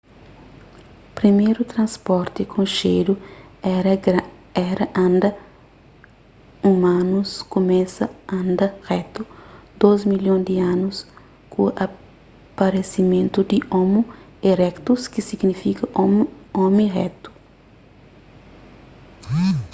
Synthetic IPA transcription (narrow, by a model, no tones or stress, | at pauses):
pɾimejɾut̪ɾɐ̃spɔɾt̪ɪkʰõʃeɾuɛɾɐɛɾɐʔɐ̃nd̪ɐ | umãnuskomɛsɐɐ̃nd̪ɐʁɛt̪ud̪ozmiljõd̪iãnus | kuʔɐ | pɐɾesimẽnt̪ud̪iʔɔmu | eɾɛkt̪uskisiɡnifikɐ | ɔmĩʁɛ̰t̪u̥